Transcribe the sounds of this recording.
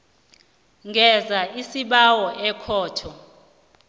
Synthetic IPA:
ŋʱɛzaisiɓawɔɛkʰɔːtʰɔ

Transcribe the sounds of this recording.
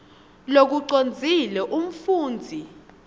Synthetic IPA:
lok̬uǀond͡zʱilɛʔum̩fuːnd͡zʱi

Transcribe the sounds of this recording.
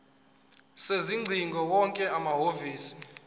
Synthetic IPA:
seziŋ͡ǀʱiŋɡʱɔwɔŋkʼɛamaɦoviːsi̥

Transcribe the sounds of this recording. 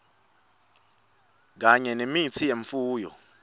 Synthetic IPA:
k̬aɲɛnemit͡sʰijeɱfuːjɔ̰

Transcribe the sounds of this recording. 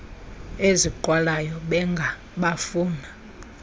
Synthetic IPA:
eziǃwalajɔɓɛŋɡʱa | ɓafuːna

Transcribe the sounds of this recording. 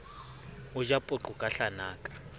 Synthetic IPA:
ud͡ʒapʼʊǃukʼaɬanaːkʼḁ

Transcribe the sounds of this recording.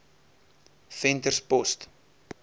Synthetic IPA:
fɛntərspɔst

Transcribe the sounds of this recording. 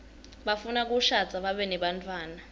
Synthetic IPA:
ɓafunak̬uʃat͡sʰʼaɓaɓɛnɛɓantʼwaːna

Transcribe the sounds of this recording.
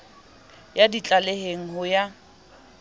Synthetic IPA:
jadit͡ɬʼaleheŋ̩ɦʊja

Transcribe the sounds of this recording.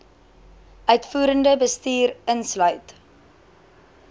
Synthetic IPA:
ʔœɥtfuːɾəndəbəstiːɾənslœɥt

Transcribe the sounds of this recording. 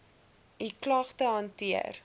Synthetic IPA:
iklɐχtəɦɐntiə̰r

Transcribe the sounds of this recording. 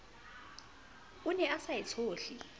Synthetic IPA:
unɛasajit͡sʰoːɬi

